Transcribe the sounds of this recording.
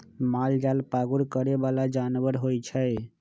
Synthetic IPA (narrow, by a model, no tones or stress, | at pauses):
mald͡ʒalpaɡuɾkəɾebalad͡ʒanʋəɾɦojt͡ʃʰəj